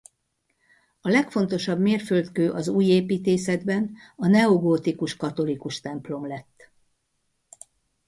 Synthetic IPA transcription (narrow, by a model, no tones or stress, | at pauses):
ɒlɛkfo̞n̪t̪o̞ʃɒbmeːrfølt̪køːʔɒzuːjeːpiːt̪eːsɛd̪bɛnɒnɛoɡoːt̪ikuʃkɒt̪o̞likuʃt̪ɛmplo̞mlɛt̪ː